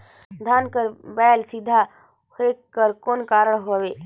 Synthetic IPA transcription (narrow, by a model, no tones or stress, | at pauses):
d̪ʱaːnkəɾbɛːlsɪd̪ʱa | hoekəɾkoːnkaːɾəɽ̃ɦoʋeː